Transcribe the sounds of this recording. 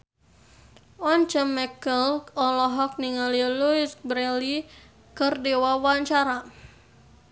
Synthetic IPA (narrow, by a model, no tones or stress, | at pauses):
ɔnt͡ʃəmɛkəlɔlɔɦɔk̚niŋaliluisbɾɛli | kərdewawaɲt͡ʃaɾa